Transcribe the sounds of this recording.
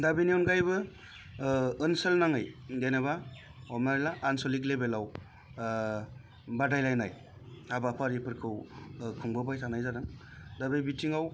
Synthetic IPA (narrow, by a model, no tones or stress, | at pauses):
dabiniwnɡajbɯ | ɯnsɯlnaŋɯjɡajnaba | ɔmnaɾlaʔːnsɔlik̬lebelaw | badajlajnaj | abapʰaɾipʰɯɾkʰɯwkʰɯŋbɯbajtʰanajzadaŋ | dabɯjbitʰiŋaw